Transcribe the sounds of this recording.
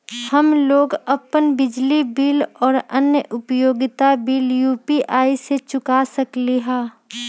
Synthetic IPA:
hɐmloːɡɐpənbɪd͡ʒlibiːlɔːɾɐnjəʔʊpjoːɡɪt̪abiːljuːpiʔaːiset͡ʃʊkasɐkliɦɛ̃ː

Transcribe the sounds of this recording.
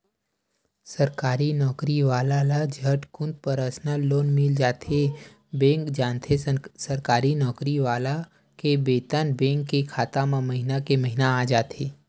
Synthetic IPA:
səɾkaːɾinɔːkɾiʋaːlalad͡ʒʱəʈkʊ̃nd̪̚pəɾaːsnaloːnmɪld͡ʒaːt̪ʰe | bẽːŋkd͡ʒaːnt̪ʰesəɾkaːɾinɔːkɾiʋaːla | kebeːt̪anbɛ̃ːŋkːekʰaːt̪amãmɐɦinakeməɦɪnaaːd͡ʒaːt̪ʰeː

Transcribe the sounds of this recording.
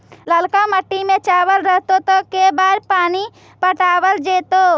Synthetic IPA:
ləlkaməʈːimẽt͡ʃaːʋəlɾəɦt̪ot̪okebaːɾpaːni | pəʈaːwəld͡ʒeːt̪oː

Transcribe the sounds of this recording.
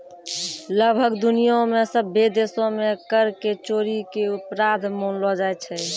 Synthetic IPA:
ləɡbʱəkd̪unijõmesəbʱːed̪esõmekəɾket͡ʃoɾikeupɾad̪ʱmonlɔd͡ʒajt͡ʃʰɛ

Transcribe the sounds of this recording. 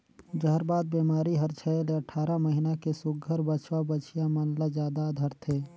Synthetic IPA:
d͡ʒəɦəɾbaːd̪̚beːmaːɾiɦɐɾt͡ʃʰəleɐʈʰaːɾaməɦinakesʊɡʱəɾbət͡ʃʰwabət͡ʃʰijamɐnlad͡ʒjaːd̪ad̪ʱəɾt̪ʰeː

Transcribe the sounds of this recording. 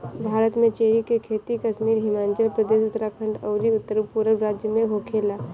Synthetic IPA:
bʱaːɾət̪mẽt͡ʃeːɾikekʰeːt̪ikɐʃmiːɾɦɪmaːnt͡ʃəlpɾəd̪eːʃʊt̪ːəɾakʰə̃ɳɖɔːɾiʊt̪ːəɾpuːɾəɾɾaːd͡ʒjəmẽɦokʰeːlaː

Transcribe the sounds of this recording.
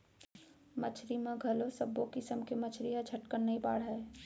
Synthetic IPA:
mɐt͡ʃʰɾimẽɡʱɐlosɐbokɪsəmkemɐt͡ʃʰɾiɦɐt͡ʃʰɐʈkəɾnɐĩba̰ːɽɦɐe

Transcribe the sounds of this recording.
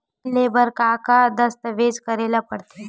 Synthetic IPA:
leːbəɾkakad̪əst̪əʋeːd͡ʒkəɾeːlapəɽt̪e

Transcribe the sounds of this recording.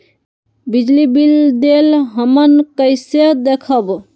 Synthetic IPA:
bid͡ʒlibild̪elɦəmənkəjsed̪ekʰəb

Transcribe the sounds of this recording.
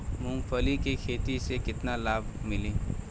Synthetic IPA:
mʊ̃ŋpʰəlikekʰeːt̪isekɪt̪nalaːbʱmɪlĩː

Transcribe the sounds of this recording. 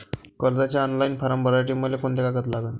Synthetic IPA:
kəɾd͡zat͡ɕjaɔnlainfaɾambəɾajʈ̬imːəlːekoɳt̪ekakət̪laɡən

